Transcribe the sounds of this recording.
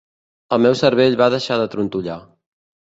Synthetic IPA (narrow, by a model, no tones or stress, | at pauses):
əlˠmewsəɾβeʎβaðəʃaðət̪ɾunt̪uʎa